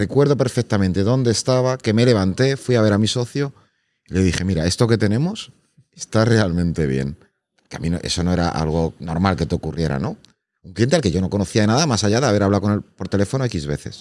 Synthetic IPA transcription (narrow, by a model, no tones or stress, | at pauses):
rekwe̞ɾðo̞pe̞ɾfek̚t̪amẽnt̪e̞ðo̞nd̪eːst̪aβake̞me̞le̞βant̪e̞fwiaβe̞ɾamiso̞θjo̞ | ile̞ðixe̞miɾae̞st̪o̞ke̞t̪e̞nẽ̞mo̞s | est̪are̞almẽ̞nt̪e̞β̞je̞̰n | poɾkeamĩno̰ʔe̞̰so̞no̞e̞ɾa̰ʔa̰lɣ̞o̞no̞ɾmalke̞t̪eo̞kurje̞ɾa̰no̞ | uŋklint̪e̞alke̞ʝo̞no̞ko̞noθiaðe̞naðamasaʝaðeaβe̞ɾaβlawko̞nelpo̞ɾt̪e̞le̞fo̞noekizβe̞θe̞̰s